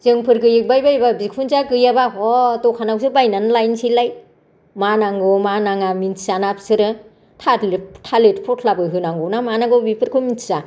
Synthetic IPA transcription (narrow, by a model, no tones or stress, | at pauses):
zɯŋpʰɯɾɡɯjɯk̚bajbajbabikʰunzaɡɯjabaɔtɔkʰanawsɯbajnanlajnsilaj | manaŋɡɔmanaŋaminanapsɯɾɯ | tʰatleptʰaletpʰɔtʰlabɯɦɯnaŋɡɔnamanaɡɯbipʰɯɾkʰɯminza